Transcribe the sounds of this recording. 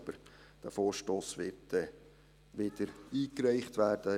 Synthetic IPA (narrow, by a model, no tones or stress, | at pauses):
b̥əɾ | d̥æfoːʃtoːsʋɪtɛ | ʋɪd̥əɾiːkɾɛɪχt̪ʋæːrd̥ə